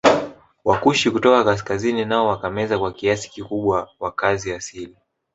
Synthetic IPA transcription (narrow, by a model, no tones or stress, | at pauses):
wakuʃikutɔkakas̬kazininaɔwakamɛzakwakiasi̥kikuɓwawakaziasili